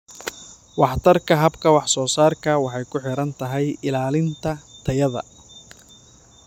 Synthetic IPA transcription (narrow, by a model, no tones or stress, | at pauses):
wɑħt̪ʰɐrkʰɐɦɐbkʰɐwɑħsɔːsaːrkʰɐwɑħɑjkʰʊħɪɾɐnt̪ʰɐɦɛjɪlaːlɪnt̪ʰɐt̪ʰɐjɐðɐ̰